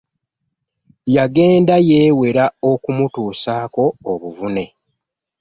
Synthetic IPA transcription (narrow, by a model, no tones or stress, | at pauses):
jaɡe̞ːndaje̞ːwe̞ɾao̞kumutuːsaːko̞ːβuvune̞